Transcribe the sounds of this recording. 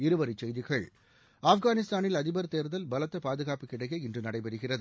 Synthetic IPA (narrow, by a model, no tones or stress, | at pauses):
ɪɾɯʋɐɾɪt͡ʃːɛjðɪɣɐɭ | aːfɡaːnɪst̪aːnɪlɐðɪbɐɾt̪eːɾðɐlbɐlɐt̪ːɐpaːðɯɣaːpɯkːɪɽɐɪjɐɪndrɯnɐɽɐɪpɐɾɯɣɪrɐðɯ